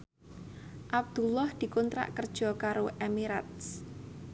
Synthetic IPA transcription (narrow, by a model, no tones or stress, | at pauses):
ʔab̚d̪̥ṳlɔhd̪̥i̤kunt̪ɾa̰ʔkərd̥ʒ̥ɔ̤kaɾoʔemiɾat̪̚s